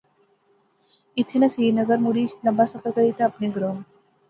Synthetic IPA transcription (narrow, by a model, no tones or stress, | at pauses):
it̪ʰenɐsinɐɡəɾmuɽinɐbasɐfəɾkɐɾit̪aːpneɡɾom